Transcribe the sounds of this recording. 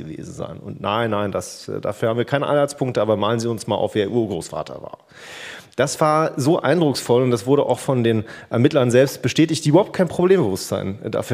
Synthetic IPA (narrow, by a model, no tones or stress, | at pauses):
əvḛːzn̩za̰ɪnʊ̰ntnaɪnːaɪndasːda̰ːfyːɐhaːm̩viːɐkʰaɪnəʔa̰ɪnhaɪt͡sspʰʊŋktəʔaːbɐmaːlənziːʊnsmaːlʔa̰ʊfv̥eːɐʔuːɐɡʁoːsfa̰ːtʰɐ̰va̰ːɐ | d̥asv̥aːɐzoːʔa̰ɪndʁʊksfɔlʊntd̥asv̥ʊɐɾəʔa̰ʊxfɔndeːnʔɛɐmɪtlɐnzɛlpst̚b̥əʃtɛːtɪçt̚d̥iːyːbɐhaʊpt̚kʰaɪnpʁ̥obleːmbəvʊstz̥a̰ɪnda̰ːfy